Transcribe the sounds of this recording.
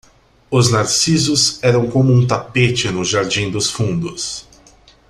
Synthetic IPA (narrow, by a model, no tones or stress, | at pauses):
ʊznaɾsizʊzɛɾɐ̃w̃kõmʊũt̪apet͡ʃɪnʊʒaɾd͡ʒĩd̪ʊsfũnd̪ʊs